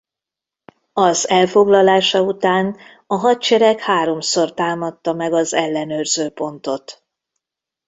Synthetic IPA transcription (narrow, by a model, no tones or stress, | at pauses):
ɒzɛlfo̞ɡlɒlaːʃɒut̪aːn | ɒɦɒt̪t͡ʃɛɾɛkhaːɾo̞mso̞rt̪aːmɒt̪ːɒmɛɡɒzɛlːɛnøːrzøːpo̞nt̪o̞t̪